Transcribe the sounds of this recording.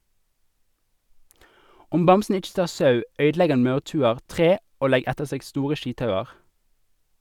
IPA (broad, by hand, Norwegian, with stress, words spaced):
ˈʊm ˈbɑmsn̩ ˈɪt͡ʃ ˈtɑːʁ ˈsɑʉ ˈœʏdˌlɛɡ ˈɑn ˈmɑʉʁˌtʉːəʁ ˈtʁeː ˈoː ˈlɛɡ ˈɛtəʁ ˈseːɡ ˈstuːʁə ˈʃiːtˌhɑʉɑʁ